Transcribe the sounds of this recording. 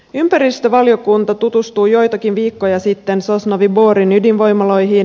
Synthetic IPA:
ympæɾist̪øʋɑljokunt̪ɑt̪ut̪ust̪uːjo̞jt̪ɑkinʋiːkːo̞jɑsit̪ːe̞nsosnɑʋibo̞ːɾinydinʋo̞jmɑlo̞jɦiːn

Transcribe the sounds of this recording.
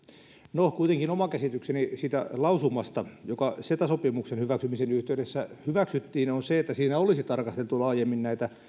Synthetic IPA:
nohkuit̪eŋkinomɑkæsit̪yksenisiːt̪æ̰lɑusumːɑst̪ɑjokɑset̪æsopimuksenhyʋæksymisenyht̪eyɾesːæhyʋæksyt̪ːiːnonseet̪ːæsiːnæolisit̪ɑrkɑst̪elt̪ulɑːjemːinnæit̪æ

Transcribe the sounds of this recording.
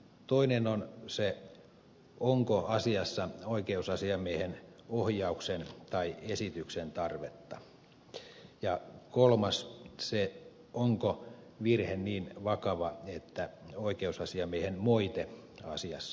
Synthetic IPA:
t̪oinenonse | oŋkoɑsiɑsːɑoikeusɑsiɑmiehen | ohjɑuksent̪ɑiesit̪yksent̪ɑrʋet̪ːɑ | jɑkolmɑsse | oŋko | ʋirhenniːnʋɑkɑʋɑet̪ːæoikeusɑsiɑmiehenmoit̪e | ɑ̰siɑsːɑ̥

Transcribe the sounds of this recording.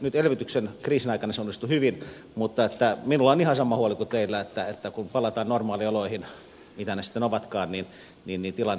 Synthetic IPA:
nyt̪elʋit̪yksenkriːsinɑikɑnɑseonːist̪uhyʋin | mut̪ːɑet̪ːæminulːɑonihɑsɑmˑɑhuolikut̪eilːæet̪ːæet̪ːækumpɑlˑɑt̪ɑːnnormɑːlioloihin | mit̪ænesi̥t̪ːenoʋɑt̪kɑːnnin | niːnniːt̪ilɑn

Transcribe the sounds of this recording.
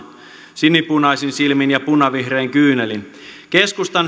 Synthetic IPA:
sinːipunɑisinsilminjɑpunɑʋihreːŋkyːnelin | ke̞skust̪ɑn

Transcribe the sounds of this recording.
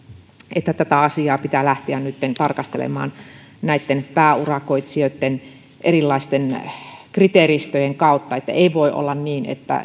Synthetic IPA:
et̪ːæt̪æt̪æɑsiɑːpit̪ælæht̪eænnyt̪ːent̪ɑrkɑst̪elḛmɑ̰ːn | næit̪ːenpæːurɑkoit̪siøt̪ːen | ʔerilːɑist̪enkrit̪erist̪øjeŋkɑˑut̪ːɑet̪ːæ̰eiʋoiʔo̰lːɑnniːnḛt̪ːæ̰

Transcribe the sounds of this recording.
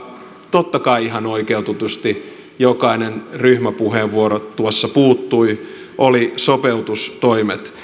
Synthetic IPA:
t̪ot̪ːɑkɑiihɑnoikeut̪ut̪ust̪i | jokɑinenryhmæpuheːʋʋuoɾot̪uosːɑpuːt̪ːui | ʔolisopeut̪ust̪oimet̪

